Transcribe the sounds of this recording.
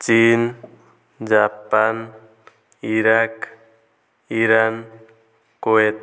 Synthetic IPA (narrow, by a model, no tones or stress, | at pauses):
t͡ʃin | d͡ʒapan | iɾak | iɾan | koet̪